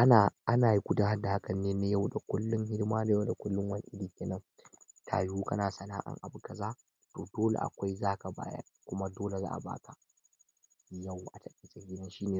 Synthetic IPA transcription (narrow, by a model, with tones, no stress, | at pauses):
ʔa˦naː˨ʔa˦naː˨ji˦kʷʊ˦da˨ɦa˦dːa˨ha˦kɐ˨nːeː˦ne˦ja˦˨wda˨kʷʊ˦lːʊ˦ŋɦɪ˦dɪ˦maː˦da˨ja˦wda˨kʷʊ˦lːʊ˦ŋwɐ˦n˦ʔɪ˦diː˨kʲeː˨nɐ˦ŋ | tʰa̰ː˨juː˦kɐ˦naː˨sɐ˨naː˦ʔa̰˨ŋʔa˨bʊ˦ka˨zaː˦ | to̰ː˨doː˦lḛ˨ʔa̰˨kʷa˦jzaː˦ka˨ba̰ː˦jɐ̰˦ | kʷʊ˦ma˦doː˦le˨za̰ː˦ʔa̰˨ba̰ː˦tʰa˨ | ja˦˨wʔa˨tɐ˦kʼi˦sɐ˨ɡʲɪ˦dɐ˦nʃiː˦neː˨